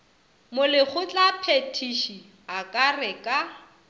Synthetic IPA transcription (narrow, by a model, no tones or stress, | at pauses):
mʊlɪɣʊt͡ɬʼapʰetʰiʃi | akʼarɛkʼa